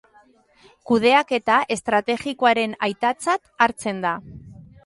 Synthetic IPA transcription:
kuð̞e̞ake̞t̪aʔe̞st̪ɾat̪e̞ɣikoaɾe̞najt̪at͡sat̪aɾt͡se̞nd̪a

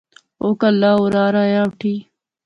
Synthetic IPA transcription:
oːkɐlːaːuɾaːɾaːjaːwʈʰiː

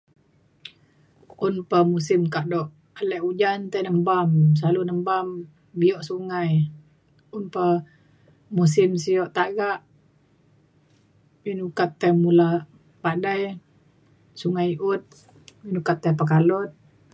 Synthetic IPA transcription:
unpəmusɪmkaʔdɔʔ | alɛʔud͡ʒant̪ajnəmbams̬alunəmbam | biɔʔsuŋaj | unpə | mus̬ɪmsijɔʔt̪aʔɡaʔ | binukat̪ːajmula | padaj | suŋajʔut̪̚ | binukat̪ːajpək̬alɔt̪̚

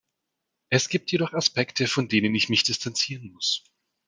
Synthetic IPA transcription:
ʔɛsɡ̥iːp̚tjeɾɔχaspɛktʰəfɔndeːnənɪçmɪçd̥ɪstʰant͡siːʁənmʊs

